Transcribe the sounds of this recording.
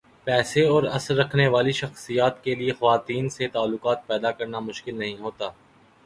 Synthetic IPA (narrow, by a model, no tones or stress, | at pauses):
pɛːseɔːɾɐsəɾːɐkʰneʋaːliʃɐxsijaːt̪keliexɐʋaːt̪iːnset̪aːlːʊqaːt̪̚pɛːd̪akɐɾnamʊʃkɪlnɐɦĩɦoːt̪aː